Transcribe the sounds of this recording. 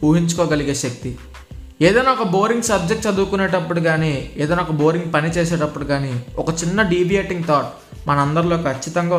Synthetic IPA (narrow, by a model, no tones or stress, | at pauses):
uːɦiɲt͡ʃu̥kɔːɡɐliɡeːʃɐk̚t̪i | eːd̪ɐjnaːɔkɐbo̞ːɾiŋɡsɐb̚d͡ʒek̚ʈt͡ʃɐd̪uːkuneːʈɐpːuɽuɡaːniːeːd̪ɐjnaːɔkɐbo̞ːɾiŋɡ̚pɐnit͡ʃɛːsɛːʈɐpːuɽuɡaːniːɔkɐt͡ʃinːɐɖiːbijeːʈiŋɡt̪ʰɔːʈ̚ | mɐnɐɐnd̪ɐɾlo̞ːkʰɐt͡ʃːit̪ɐŋɡaː